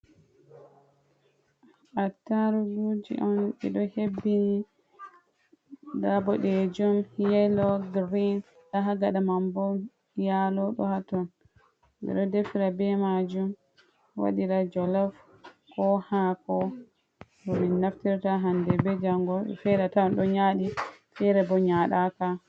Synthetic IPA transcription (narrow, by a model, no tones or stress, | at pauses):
ʔataɾuɡud͡ʒḭʔɔnɓɛ̰ɗɔhebːini | ɗabɔɗɛd͡ʒumhjɛlɔɡɾin | ɗaɦaɡaɗamambɔ | jalɔɗɔ̰hatɔn | bɛ̰ɗɔdefiɾabɛmad͡ʒum | wa̰ɗiɾad͡ʒɔlaf | kʰɔhakɔ | dɔminːaftiɾtaɦandɛbɛd͡ʒaŋɡɔ̰fɛɾatanɗɔɲaɗifɛɾɛbɔɲaɗaka